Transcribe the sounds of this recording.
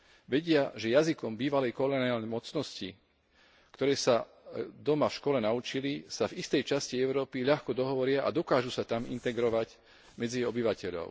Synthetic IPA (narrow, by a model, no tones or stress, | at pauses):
ʋɛɟɪaʒɛjazikɔmbiːʋalɛjkɔlɔniaːlnɛjmɔt͡snɔsci | kt̪ɔɾɛːsa | d̪ɔmafʃkɔlɛnaut͡ʃilisavist̪ɛjt͡ʃasciɛʊɾɔːpiʎaxkɔd̪ɔɦɔʋɔɾɪaʔa̰d̪ɔkaːʒusat̪amḭnt̪ɛɡɾɔʋaɟ | mɛd͡ziɛjɔbiʋacɛʎɔ̰ʊ